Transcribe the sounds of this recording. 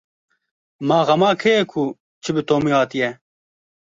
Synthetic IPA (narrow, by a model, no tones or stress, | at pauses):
maːɣɐmaːkʰejekʰu | t͡ʃʰibɪt̪oːmiɦaːt̪ijɛ